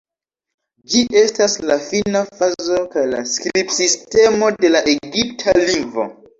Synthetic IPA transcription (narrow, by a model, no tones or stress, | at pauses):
d͡ʒiʔe̞staslafinafazo̞kajla̰skɾipsistemo̞de̞laʔeɡiptʰaliŋɡvo̰